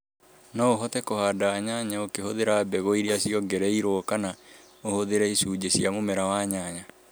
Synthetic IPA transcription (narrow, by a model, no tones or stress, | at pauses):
naoɦɔtɛkohaːdaːɲaɲaokehoðeɾaːbɛɣɔiɾeasiɔɡɛɾɛiɾokana | ohoðeɾɛisuːd͡ʑeɕiamomɛɾawaːɲaɲa